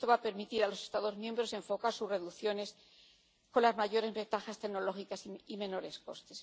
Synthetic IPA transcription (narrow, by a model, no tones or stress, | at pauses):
t̪oβape̞ɾmit̪iɾalo̞se̞st̪aðo̞zmjẽ̞mbɾo̞se̞ɱfo̞kaɾsure̞ðuθjo̞ne̞s | ko̞nlazmaʝo̞ɾe̞zβe̞nt̪axast̪eɣno̞lo̞xikasimẽ̞no̞ɾe̞sko̞̰st̪e̞̥s